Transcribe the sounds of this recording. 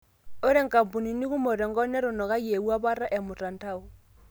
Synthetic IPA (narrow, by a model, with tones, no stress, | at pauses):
o˦ɾe˦ŋ̩˨ka˨mpu˨ni˨ni˦kʊ˦mo˨ɾɛ˨ŋ˦ɡɔ˦nɛ˦ɾʊ˨nɔ˨ka˦je˨wa˦βa˦ɾa˦ʔɛ˨mʊ˨ta˨n˦ta˦ʊ˨